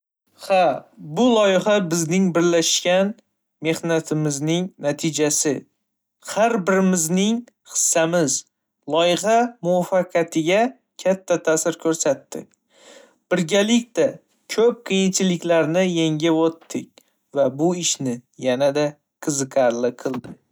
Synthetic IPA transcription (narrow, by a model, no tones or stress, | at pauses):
habʊlˠɒjɪhabɪznɪŋbɪɾlaʃkʲan | me̞hnat̪ʰɪmɪznɪŋnat̪ʰɪd͡ʒasɪ | haɾbɪɾɪmɪznɪŋ | χɨ̥sːamɪz | lˠɒjɪhamʊwafːɑqʰɑt̪ʰɪɡʲa | kʲʰat̪ʰːat̪ʰasɪɾkʲʰɵɾsat̪ːɪ̰kʲ | b̥ɪɾɡʲalɪk̚ʲt̪a | kʲʰɵp̚qʰijɪnt͡ʃʰɪlɪkʲlaɾnɪjeŋɡʲavot̪ʰːɪkʲ | vabʊɪʃnɪjanad̪a | qʰɨzɨqʰɑɾlɪqʰɨlˠd̪ɪ